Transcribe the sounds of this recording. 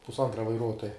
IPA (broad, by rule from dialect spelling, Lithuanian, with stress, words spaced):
pʊsˈɐntrɐ ʋɐɪˈruɔtoːjɛ